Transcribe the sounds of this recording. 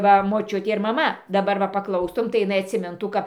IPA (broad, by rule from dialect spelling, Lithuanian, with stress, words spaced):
ˈʋɐ moːˈt͡ʃʲʊtʲeː ɪr mɐˈmɐ dɐˈbɐr ʋɐ pɐˈklˠɐʊstʊm tɐɪ jɪˈnɐɪ ɐtʲsʲɪˈmʲɪntuː ˈkɐp